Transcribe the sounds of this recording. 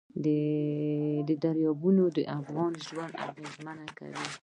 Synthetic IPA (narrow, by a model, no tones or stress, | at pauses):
d̪ə | d̪əd̪aɾjɑbunod̪əʔafɣɑnʒwand̪a̰ɣezmanaka̰wi